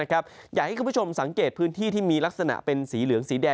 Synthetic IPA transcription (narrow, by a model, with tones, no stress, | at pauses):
a˦˥kʰa˦˥p̚jaː˨˩ha˥˩jkʰpːt͡ɕo˧msa˩˦ŋkeː˨˩t̪̚pʰɯː˦˥nt̪ʰiː˥˩t̪ʰiː˥˩miː˧la˦˥k̚sa˧na̰˨˩ʔpe˧nsiː˩˦lɯ˩˦əŋsiː˩˦dɛː˧